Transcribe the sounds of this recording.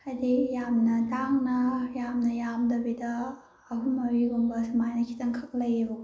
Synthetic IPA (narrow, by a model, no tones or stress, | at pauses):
ajdijamnɐtaŋnɐjamnɐjamdɐbidɐː | ɦumɐwiɡombɐsmajnɐkʰi̥tɐŋkʰɐk̚lɐjbo